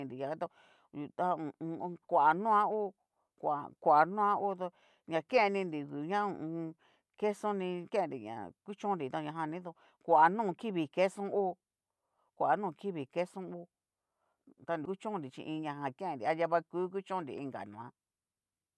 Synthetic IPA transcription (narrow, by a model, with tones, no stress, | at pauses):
ĩ˧nɾi˨jã˨a˧˦t̪o˧ | u˧t̪a˦ũ˨˧˨ũ˧kʷa˨ʔa˨nũ˦ã˦u˦ | kʷa̰˨kʷa˨ʔa˨nũ˦ã˦u˦t̪o˧ | ɲã˧˨kẽ˦˧nĩ˧ndi˨ku˨ɲã˦ṵ̃˧ũ˧ | ke˦sõ˦nĩ˧kẽ˦˧ndḭ˨ɲã̰˨ku˦t͡ʃũ˦˧ɾi˨t̪a˧ɲã˧ɦã˧nĩ˦ðo˧ | kʷa˨a˨nũː˦˨˧ki˦βi˨ke˦sũ˦ʔu˦ | kʷa˨a˨nũː˦˧˨ki˦βi˨ke˦sũ˦u˦ | t̪a˧ndi˧ku˦t͡ʃũ˦nɾi˨t͡ʃḭ̃˧ʔĩ˧ɲã˧˨ɦã˧kẽ˦ẽ˧˨ndi˨a˦ja˧βa˧ku˦k̬u˦t͡ʃõ˦nɾḭ˨ḭ˧ŋɡa̰˨nũ˧˨ã˦